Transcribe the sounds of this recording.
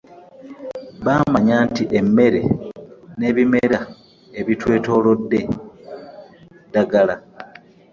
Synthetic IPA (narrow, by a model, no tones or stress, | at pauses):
βaːmaɲaːntiʔe̞mːe̞ɾe̞̰ne̞ːβime̞ɾa | eβitwe̞ːto̞ːlo̞dːe̞ | daɡala